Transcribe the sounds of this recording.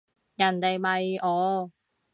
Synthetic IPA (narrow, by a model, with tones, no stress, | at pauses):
jɐ˨˩nt̪e˨jmɐ˨jʔɔː˨˧